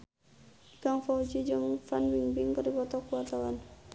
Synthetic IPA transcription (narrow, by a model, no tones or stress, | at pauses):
ikaŋfɔd͡ʒid͡ʒəŋfanwiŋbiŋkərdipɔt̪ɔkuat̪awan